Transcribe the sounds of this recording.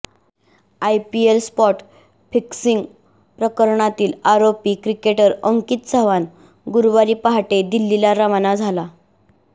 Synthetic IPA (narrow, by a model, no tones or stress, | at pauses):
ajpielspɔʈ | fiksiŋɡ | pɾəkəɾɳat̪iːlaɾopiːkɾikeʈəɾəŋkiːt̪t͡səʋan | ɡuɾʋaɾiːpaɦaʈed̪ilːilaɾaʋnad͡zʱala